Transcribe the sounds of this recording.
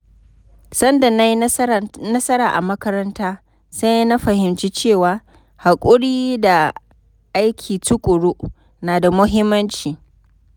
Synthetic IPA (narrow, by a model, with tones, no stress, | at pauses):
sɐ˦nda˨na˦ji˦nɐ˦sɐ˦ɾaː˨ʔa˨mɐ˦kɐ˦ɾɐ˦ntaː˦ | sa˦jna˦ɸɐ˨hɪ˨mt͡ʃi˦t͡ʃeː˦˨waː˨ | ha˨kʷʼʊ˦ɽiː˦da˨ | ʔa˦jkʲʰiː˨tʊ˦kʷʼʊ˨ɽu˦ʔ | naː˨da˨mʊ˦ɦɪ˦mːɐ˦nt͡ʃiː˨